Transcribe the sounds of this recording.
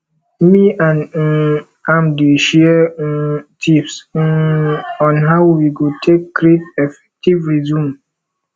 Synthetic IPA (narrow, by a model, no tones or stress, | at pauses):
miãn | ãmdeʃiɛ | tʰips | ɔ̃nɦawwiɡotʰekːɾetefɛ̥k̚tivɹizũm